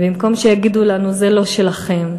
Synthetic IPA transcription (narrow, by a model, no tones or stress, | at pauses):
bimko̞mʃejaɡid̪ulanuzelo̞ʃelaχe̞m